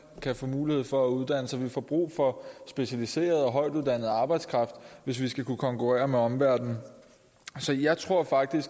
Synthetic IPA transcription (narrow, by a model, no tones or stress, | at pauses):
kʰæfɔ̰̽ːmuːlihe̝ð̰ˠfɒ̽æuð̞ˠd̥æn̰əsɒʋifɒb̥ʁṵːfɒ̽sb̥e̝ɕælise̝̰ːɐð̞̩ˠɒ̽ɦɒ̽ɪd̥uðˠd̥æn̰ð̩ˠɑ̈ːb̥ɑ̈ɪd̥skʰʁɑ̈fd̥ʋe̝s̬ʋisɡ̥ækʰukʰɒ̽ŋkʰuʁɛ̰ːɐmeɒ̽mʋæɐ̰d̥n̩ | sɒ̽jɑ̈ɪt͡sʰʁo̝ɐ̰fɑ̈ɡ̥̚d̥isɡ̥